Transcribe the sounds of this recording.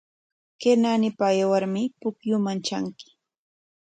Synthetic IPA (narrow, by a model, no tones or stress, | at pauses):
keɾnanɪpaːjawaɾmɪpʊkjʊmant͡ʃaŋkɪ̥